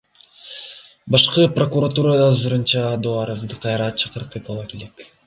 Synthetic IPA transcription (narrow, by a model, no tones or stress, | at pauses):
bɑʃqɯprokuɾat̪uɾad̪ɑːzɯɾɯnt͡ʃɑd̪oɑɾɑzd̪ɯqʰːɑjɾɑt͡ʃʰɑ̥qɯɾt̪ɯpɑlˠɑkelek